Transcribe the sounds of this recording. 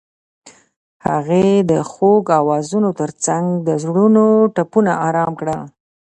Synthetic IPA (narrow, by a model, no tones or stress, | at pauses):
ha̰ɣed̪əxoɡawɑzunot̪əɾt͡saŋɡd̪əzɽunoʈapunaɑɾɑmkɽa